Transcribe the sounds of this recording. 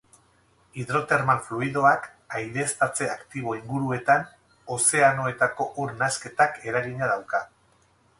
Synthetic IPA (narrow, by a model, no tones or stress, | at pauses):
iðɾo̞t̪e̞ɾmaɱfluiðo̞ak | ajðe̞st̪at͡se̞akt̪iβ̞o̞iŋɡuɾue̞t̪an | o̞se̞ano̞e̞t̪ako̞ʔuɾnaske̞t̪ake̞ɾaɣiɲaðawka